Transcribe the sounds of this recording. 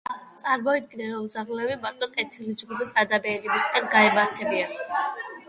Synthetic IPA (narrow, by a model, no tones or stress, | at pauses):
t̪sʼaɾmɔid̪ɡinɛɾɔld̪zaʁlɛbimaɾt̪ʼɔkʼɛt̪ʰilidzɡupisad̪abɛːɾibiskʼɛnɡaɛmaɾt̪ʰɛbia